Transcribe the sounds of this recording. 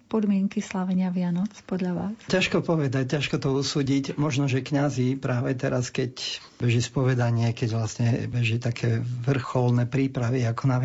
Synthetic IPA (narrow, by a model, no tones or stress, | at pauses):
pɔd̪mɪɛŋkislaʋɛɲɪaʋɪanɔt͡spɔd̪ʎaʋaːscaʃkɔpɔʋɛd̪ac̚cːaʃkɔt̪ɔusuːɟicmɔʒnɔʒɛkɲazipɾaːʋɛt̪ɛɾaskɛc | bɛʒispɔʋɛd̪aɲɪɛkɛɟʋlasɲɛbɛʒit̪akʰɛːʋr̩xɔlnɛpɾiːpɾaʋiakɔna